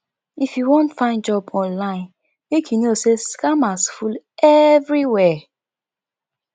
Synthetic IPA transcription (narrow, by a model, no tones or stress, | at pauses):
ifjuwɔ̃ntfãɪ̃nd͡ʒɔbɔ̃nlãɪ̃n | mekʰjunoseskamasful | ɛvɹiwɛ